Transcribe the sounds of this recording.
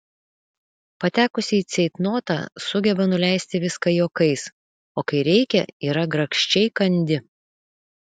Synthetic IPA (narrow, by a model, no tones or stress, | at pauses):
pɐt̪ʲæːkʊsʲɪit̪sʲɛɪt̪noːt̪ɑ̰ːsʊɡʲɛbɐnʊlʲæˑɪsʲt̪ʲɪʋʲɪskɐjoːkɐɪs | oːkɐɪɾʲɛɪkʲɛ̰iːɾɐɡɾɐkʃʲt͡ʃʲɛɪkɐnʲd̪ʲɪ